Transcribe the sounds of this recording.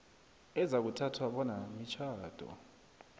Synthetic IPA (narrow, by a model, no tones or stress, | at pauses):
ɛzak̬utʰatʰwaɓɔnamit͡ʃʰaːd̥ʱɔ̰